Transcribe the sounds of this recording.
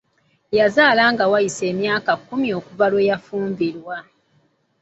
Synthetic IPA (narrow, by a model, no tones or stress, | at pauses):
jazaːlaːŋɡawajise̞ːmjaːkakːumio̞ːkuvalwe̞ːjafuːmbiɾwa